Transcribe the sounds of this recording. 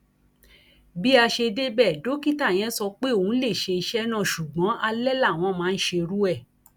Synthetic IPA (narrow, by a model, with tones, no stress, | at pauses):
bi˦a˧ʃe˧de˦bɛ˦˨do˨˦ki˦ta˦˨j̃ɛ̃˨˦sɔ˧k͡pe˦o˦˨ũ˨˦le˦˨ʃe˧i˧ʃɛ˦nã˦˨ʃu˨ɡ͡bɔ̃˨˦ʔa˧lɛ˦la˦˨w̃ɔ̃˧˦mãː˨˦˧n̩˦ʃe˧ɾu˦ɛ˦˨